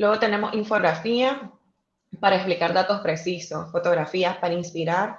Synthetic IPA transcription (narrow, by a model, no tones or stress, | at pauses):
lwe̞ɣo̞t̪e̞ne̞mo̞siɱfo̞ɣɾafia | paɾaeksplikaɾðat̪o̞spɾe̞siso̞sfo̞t̪o̞ɣɾafiaspaɾainspiɾaɾ